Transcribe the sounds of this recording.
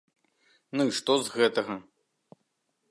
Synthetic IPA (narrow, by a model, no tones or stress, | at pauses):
nɨʂt̪ɔzɣɛt̪ɐɣɐ